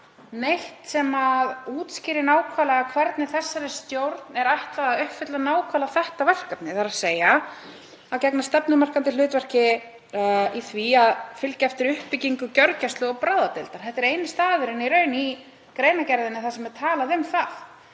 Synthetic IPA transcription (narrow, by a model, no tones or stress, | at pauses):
nejht̪sɛmaðuːt̪scɪːɾɪnaːwkʰvalaɣakʰvɛɾt̪nɪθɛsːaɾɪst̪jowɾt̪nɛɾaht̪laððʏhfɪt̪lanaːwkʰvaːlaθɛht̪avɛl̥kap̪nɪθaɾaseːja | aðcɛknast̪ɛpnʏmar̥kant̪ɪlʏːt̪vɛr̥cɪ | iθviaðfʏlcaɛft̪ɪɾʏhpɪciŋkʏcœɾcast̪lʏɔpɾaːðat̪ɪlt̪aɾ̥θɛht̪ːɪɛɾejnɪst̪aːðʏɾɪniɾœːɥni | kɾeːjnacɛɾðɪnːɪθasɛmɛɾt̪ʰaːlaðʏmθaθ